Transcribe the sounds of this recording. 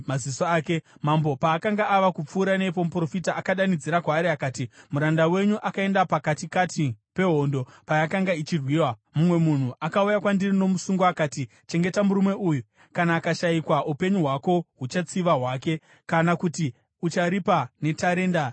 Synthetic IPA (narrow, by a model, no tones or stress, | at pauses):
mazisoaːke̞mambo̞paːkaŋɡaʔːʋakup͡fuːɾane̞p̬o̞mupro̞fitaʔːkaɗanid͡ziɾakwaːɾiakaːtimuɾandawe̞ɲuʔakae̞ndapakatikatʰipe̞ɦo̞ndo̞pajakaŋɡait͡ʃirwiːwamumwe̞mun̤uʔakaujakwandirino̞musuŋɡoakaːti | t͡ʃe̞ŋɡe̞tamuɾumwe̞ʔuju | kanaːkaʃaikwaʔupe̞ɲuɦwako̞ɦut͡ʃat͡siʋaɦwaːke̞ | kanakuti | ut͡ʃaɾipane̞taɾe̞ːnda